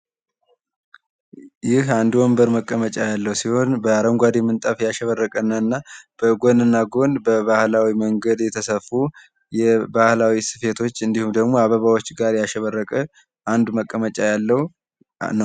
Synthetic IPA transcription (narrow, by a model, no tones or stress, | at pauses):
jɪhand̪wombəɾməkʼːəmət͡ʃʼajalːəhwsiho̞nbəaɾəŋɡʷad̪emɨnt̪ʼafjaʃɛβərːəkʼənːaɨnːab̥əɡo̞nɨnːaɡo̞nbəβahlawiməŋɡəd̪jɛt̪ʰəsəfːu | jɛbahlawisɨfe̞t̪ʰo̞t͡ʃːɨnd̪ihumd̪əɡmo̞aβəβawot͡ʃːɡaɾjaʃɛβərːəkʼə | ʔand̪məkʼːəmət͡ʃʼajalːəhu | nəw